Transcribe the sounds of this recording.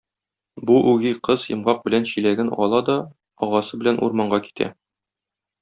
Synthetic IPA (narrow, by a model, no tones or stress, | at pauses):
buʔʉɡiqɤzjɤ̆mʁɑq̚bɘ̆lænɕilæɡɘnɒ̰lˠɑd̪ɒ | ɒʁɑsɤbɘ̆lænʔṵɾmɑɴɢɑki̥t̪ʰæ̰